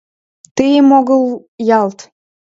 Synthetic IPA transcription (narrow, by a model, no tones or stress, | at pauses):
t̪əjəmoɣəl | jɑlt̪